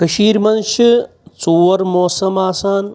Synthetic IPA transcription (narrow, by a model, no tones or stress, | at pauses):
kɐʃiːɾmɐnʃi | t͡soːʋɐɾmoːsɐmaːsaːn